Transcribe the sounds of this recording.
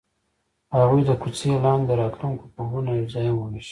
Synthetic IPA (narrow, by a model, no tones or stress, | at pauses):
haɣujd̪əkut͡silɑnd̪əɾɑt̪luŋkopəɦunazɑjamwəniʃi̥